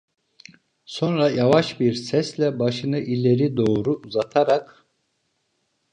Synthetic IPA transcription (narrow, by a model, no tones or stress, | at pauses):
so̞nɾajavaʃbiɾsɛslʲɛbaʃɯnɯʔilʲeɾid̪o̞ːɾuuzat̪ʰaɾak